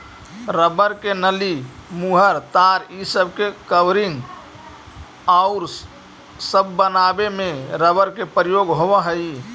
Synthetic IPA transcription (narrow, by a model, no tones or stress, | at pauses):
ɾəbəɾkenəlimuɦəɾt̪aɾisəbʱkekəʋɾiŋɡ | aʊɾ | səbːənabemeɾəbəɾkepɾijoɡɦobəɦəj